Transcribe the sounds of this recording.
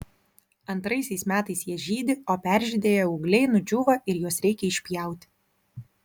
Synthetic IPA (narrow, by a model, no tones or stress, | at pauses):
ɐnt̪ɾɐɪsʲɛɪsmʲæːt̪ɐɪsjiɛʒʲiːd̪ʲɪoːpʲæˑɾʲʒʲɪd̪ʲeːjɛʊːɡlʲɛɪnʊd͡ʒʲʊːʋɐɪɾjuɔsɾʲɛɪkʲɛɪʃʲpʲjɛˑʊt̪ʲɪ̥